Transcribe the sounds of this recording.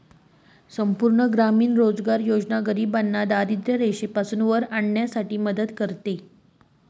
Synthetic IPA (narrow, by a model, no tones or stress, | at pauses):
səmpuɾɳəɡɾamiːnɾod͡zɡaɾjod͡znaɡəɾiːbanːad̪aɾid̪ɾəɾeɕepasunʋəɾaɳɳjasaʈiːməd̪əd̪kəɾt̪e